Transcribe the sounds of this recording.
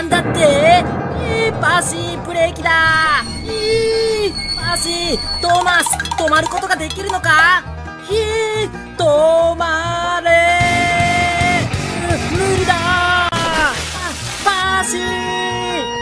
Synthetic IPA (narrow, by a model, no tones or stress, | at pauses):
nd̪at̪ːeipaɕi | pɯ̟ɾe̞kʲid̪a | i | paɕit̪oːmasɨ̥t̪omaɾɯ̟ko̞t̪o̞ɡad̪e̞kʲiɾɯ̟no̞ka | çi | t̪omaɾe | ɯɾʲid̪a | paɕi